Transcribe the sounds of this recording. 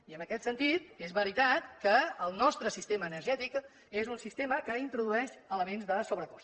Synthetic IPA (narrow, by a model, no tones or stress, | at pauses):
iəmbəkɛt̪sənt̪it̪ezβəɾit̪at̪kəːlˠnɔst̪ɾəsist̪eməːnəɾʒɛt̪ik | ezunsist̪eməkəint̪ɾuðuɛʃələmenzðəsoβɾəkɔs